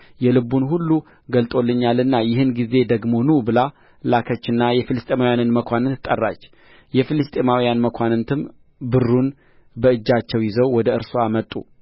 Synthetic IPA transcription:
jɛlɨbːunhulːu | ɡəlt̪ʼo̞lːɨɲːalɨnːajɪhɨnɡize̞d̪əɡmo̞nubɨla | lakʰət͡ʃːɨnːajɛfilɨst̪ʼemawjanɨnməkʷʰanɨnt̪ʰɨ̥t̪ʼːə̰rːa̰t͡ʃː | jɛfilɨst̪ʼemawjanməkʷʰanɨnt̪ʰɨm | bɨrːun | bəɨd͡ʒːat͡ʃːɛwjɪzəwwɔd̪əɨɾsuamət̪ʼːṵ

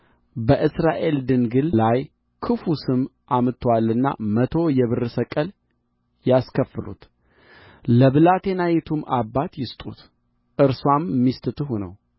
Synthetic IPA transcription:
bəʔɨsɾaʔe̞ld̪ɨnɡɨllaj | kʰɨfusɨmʔamɨt̪ʰəwalːɨnːa̰mət̪ʰo̞jɛβɨrɨsəkʼəl | jaskʰəfɨlṵt̪ | ləβɨlat̪ʰe̞najɛt̪ʰumʔabːat̪jɪst̪ʼṵt̪ | ʔɨɾswamːist̪ʼɨt̪ɨɦunə̰w

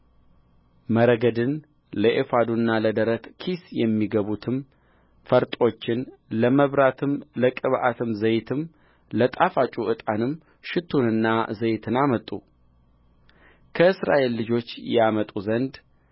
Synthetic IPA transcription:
məɾəɡəd̪ɨn | ləʔefad̪unːaləd̪əɾət̪kʰisjɛmːiɡəβut̪ʰɨm | fəɾt̪ʼo̞t͡ʃːɪnləməβɾat̪ʰɨmləkʼɨβʔa̰t̪ʰɨmzəjt̪ʰɨm | lət̪ʼafat͡ʃʼuʔɨt̪ʼanɨm | ʃɪt̪ʰːunɨnːazəjt̪ʰɨnamət̪ʼːu | kʰəɨsɾa̰ʔe̞lːɨd͡ʒo̞t͡ʃːjɛamət̪ʼuzənd̪

